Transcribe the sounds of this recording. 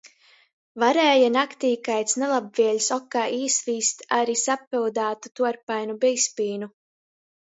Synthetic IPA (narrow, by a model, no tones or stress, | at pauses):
vaɾɛːjanakt̪iːkajt̪snelˠabviɛlʲsɔkːaːʔiːsviːst̪aɾisapild̪aːt̪ut̪uɔɾpajnubɛjspiːnu